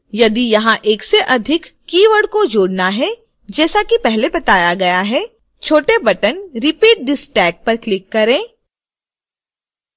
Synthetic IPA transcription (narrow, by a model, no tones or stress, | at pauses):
jɐd̪ijɐɦãʔeːkseʔɐd̪ʱɪkːiːʋəɽkod͡ʒoːɽnaɦɛ | d͡ʒɛːsakipɛɦlebɐt̪aːjaɡɐjaɦɛː | t͡ʃʰoːʈebɐʈənɾɪpiːʈ̚ɖɪsʈɛːk̚pɐɾklɪkːɐɾẽː